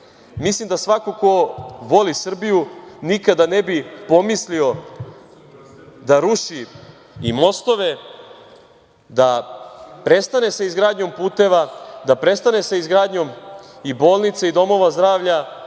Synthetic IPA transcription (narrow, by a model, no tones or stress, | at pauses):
mislimd̪asʋakokoʋo̞lisr̩bijunikad̪ane̞bipo̞mislio̞ | d̪aɾuʃi | ḭmo̞st̪o̞ʋe̞ | d̪a | pɾe̞st̪ane̞saizɡɾaːd̪ɲo̞mpuːt̪e̞ʋad̪apɾe̞st̪ane̞saizɡɾaːd̪ɲo̞mibo̞ːlˠnit̪said̪o̞mo̞ʋazd̪ɾaːʋʎa